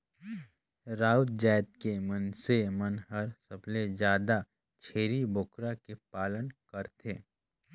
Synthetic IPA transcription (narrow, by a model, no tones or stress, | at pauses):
ɾaːut̪d͡ʒɛːt̪̚kemənsemənɦɐɾsəbled͡ʒjaːd̪a | t͡ʃʰeːɾibʊkɾakepaːlənkəɾt̪ʰeː